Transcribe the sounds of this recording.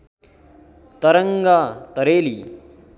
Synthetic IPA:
t̪ɐɾɐŋɡat̪ɐɾeːli

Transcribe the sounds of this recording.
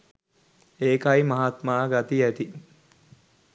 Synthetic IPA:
eːkaimɐɦat̪maːɡat̪iæt̪i

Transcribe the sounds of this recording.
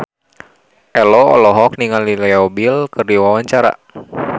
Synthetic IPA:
ʔɛlɔɔ̰lɔɦɔk̚niŋalilɛɔbilkɨrdiwawaɲt͡ʃaɾa̰

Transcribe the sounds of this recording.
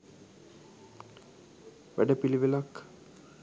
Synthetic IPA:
ʋæ̰ɖəpiliʋilakː

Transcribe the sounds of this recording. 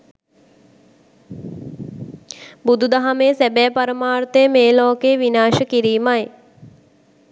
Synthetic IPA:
bud̪ud̪aɦameːsæbɛːpaɾəmaːrt̪əjəmeːlɔːkeːʋinaːʃəkiɾiːmaj

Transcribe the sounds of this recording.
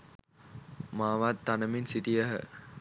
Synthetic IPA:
maːʋat̪ːanəminsiʈijəɦə̰

